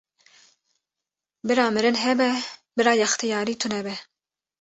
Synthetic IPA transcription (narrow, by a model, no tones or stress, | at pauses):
bɨɾɑːmɨɾɨnɦɛbɛbɨɾɑːjɛxt̪ʰijɑːɾiːt̪ʰunɛbɛ